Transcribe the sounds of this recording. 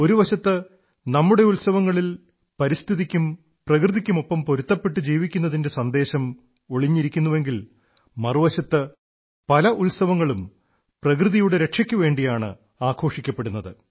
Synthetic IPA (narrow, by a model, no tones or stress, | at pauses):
o̞ɾuʋɐɕɐt̪ːɨ | nɐmːuɽe̞ulsɐʋɐŋːɐɭil | pɐɾist̪ʰiðikʲːum | prɐkrɨðikʲːumo̞pːɐmpo̞ɾut̪ːɐpːe̞ʈːɨd͡ʑiːʋikʲːunːɐðinde̞sɐnd̪e̞ːɕɐm | o̞ɭiɲːiɾikʲːunːuʋe̞ŋɡil | mɐruʋɐɕɐt̪ːɨ | pɐlɐʔulsɐʋɐŋːɐɭum | prɐkrɨðijuɽeɾe̞kʂɐkʲːuʋe̞ːɳɖijaːɳɨ̰ | aːkʰo̞ːʂikʲːɐpːe̞ɽunːɐðɨ̰